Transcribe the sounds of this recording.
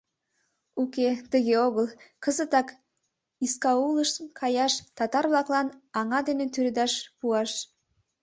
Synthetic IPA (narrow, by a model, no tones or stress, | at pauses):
uket̪əɣeoɣəlkəzət̪ɑk | iskɑuləʃkʰɑjɑʃt̪ɑt̪ɑrβlɑklɑnɑŋɑd̪enet̪yɾed̪ɑʃpuɑʃ